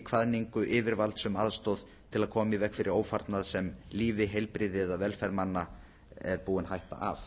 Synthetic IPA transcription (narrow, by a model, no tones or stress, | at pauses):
kʰvaðniŋkʏʔɪːvɪɾvalt̪sʏmaðst̪owð | t̪ʰɪlaðkʰɔːmaivɛhkfɪɾɪɾoːwfaɾt̪naðsɛmliːvɪɦejlpɾɪðɪðaðvɛlfɛɾmanːa | ɛɾpuːɪnɦajht̪a̰ʔa̰f